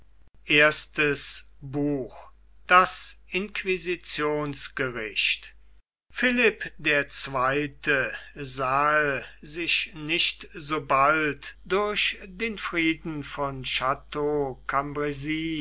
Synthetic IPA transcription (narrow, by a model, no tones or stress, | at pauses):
ʔeːɐstəsbuːx | d̥asʔɪnkvizit͡sjoːnsɡ̥əʁɪʃt | fɪlɪpdeːɐt͡sv̥aɪtʰəzaːəlzɪʃnɪʃtzoːbaltdʊɐɕdeːnfʁiːdn̩fɔnʃatokʰambʁɛziː